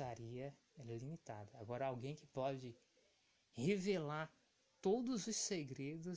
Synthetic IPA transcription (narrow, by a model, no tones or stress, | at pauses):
aɾiɐ | ɛlimit̪ad̪ɐaɡɔɾɐawɡẽj̃kɪpɔd͡ʒɪ | hevelaɾ | t̪od̪ʊzʊsseɡɾed̪ʊ